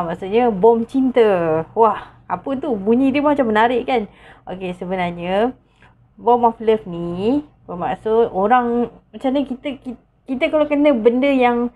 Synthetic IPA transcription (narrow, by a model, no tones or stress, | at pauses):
maʔsuʔɲəbɔmt͡ʃint̪əwah | apət̪ubuɲĩdiəmaat͡ʃamːənaɾɪʔkan | ʔokesəbənarɲə | bɔmɔfləfni | pəmaʔsot̪oɾaŋmaʔt͡ʃamɲəkit̪əki | kit̪əkalakənəbəndəjaŋ